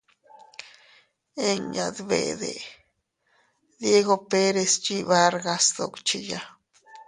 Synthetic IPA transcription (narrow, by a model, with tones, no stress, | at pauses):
e˦ŋja˨d̪bḛ˨d̪ḛ˨ | d̪je˦ɡo˧pe˦ɾe˧st͡ʃi˦βa˦ɾɡa˧sd̪o˨kt͡ʃi˦˨ja˦